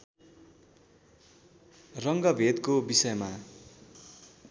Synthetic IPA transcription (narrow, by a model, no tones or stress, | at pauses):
rʌŋɡʌbʱed̪kobisʌjma